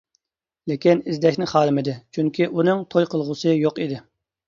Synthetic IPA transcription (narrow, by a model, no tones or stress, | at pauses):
lɪkʲinizd̪ɛʃʲnɪχɑːlˠɪmɪd̪ɪt͡ʃʰyŋkʲʰiʔunɨŋt̪ʰojqʰəlˠʁʊsɨjoqid̪ɪ